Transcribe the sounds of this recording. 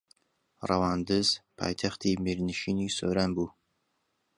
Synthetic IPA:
ra̰wand̪əzpʰɑ̰jt̪ʰaχt̪ʰimeɾnɪʃinisɵɾanbu

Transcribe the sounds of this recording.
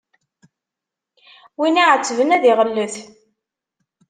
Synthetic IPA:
winiʕət͡sːəvənæðiʁəlːəθ

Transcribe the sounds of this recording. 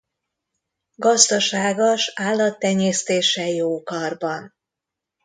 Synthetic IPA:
ɡɒzd̪ɒʃaːɡoʃaːlːɒt̪ːɛɲeːst̪eːʃɛjoːkɒrbɒn

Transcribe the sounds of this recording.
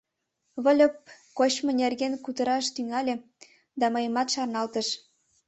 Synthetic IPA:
βə̆lʲəp̚ | kot͡ɕmŏnʲerɣenkut̪ə̆ɾɑʃt̪yŋælʲĕ | d̪ɑmɤ̆jə̆mɑt̪ʃɑrnɑlt̪ə̆ʃ

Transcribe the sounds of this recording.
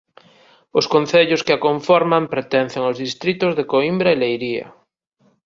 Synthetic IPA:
ʊskon̟θeʎʊskeakoɱfɔɾmampɾet̪ɛn̟θeŋozðist̪ɾit̪ʊzðekoimbɾaelejɾiɐ̰

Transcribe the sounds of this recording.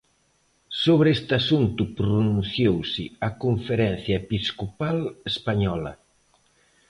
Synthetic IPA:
soβɾest̪asunt̪ʊpɾonunθjowsɪakoɱfeɾɛn̟θjɐepiskopalespaɲɔlɐ̰

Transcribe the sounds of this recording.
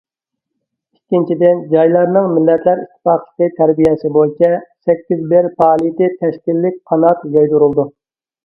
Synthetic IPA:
ikʲːint͡ʃʰid̪ɪnd͡ʒɑjlˠɑɾnɨŋmɪlːɛt̪ʰlæɾit̪ʰːɪ̥fɑqlˠə̥qɨt̪ʰæɾbijɛsɪbojit͡ʃʰɛsɛkʲːizbɪɾpɑːlˠit̪ɪt̪ʰɛʃkʲilːɪk̚ʲqʰɑnɑt̪jɑjd̪uɾulˠd̪u

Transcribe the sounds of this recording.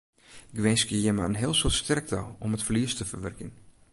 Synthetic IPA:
ɡʋɛːskəjɛmaənɦɪəlˠsɪlˠstʰɛrk̚tʰaomətfliəstəfərʋɛrkən

